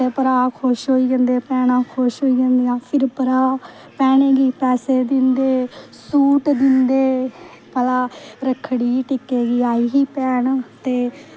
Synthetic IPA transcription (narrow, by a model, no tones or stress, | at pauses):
eːpəɾaːkʰoʃɦoːiːɡə̃nd̪eːpɛːɽãːkʰoʃɦoːiːɡə̃nd̪ejãːpʰɪɾpəɾaː | pɛːɳ̃eːɡiːpɛːseːd̪ɪnd̪eːsuːʈd̪ɪnd̪eː | pəlaːɾəkʰːɽiːʈɪkeːɡiːaːiːɦiːpɛːɳt̪eː